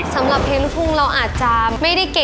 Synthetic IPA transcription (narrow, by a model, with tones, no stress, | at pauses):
sa˩˦mla˨˩p̚heː˧nlu˦˥pʰu˧˩ŋɾa˧wʔaː˨˩t̪̚t͡ɕa˨˧˩ma˥˩jda˥˩jke˨˩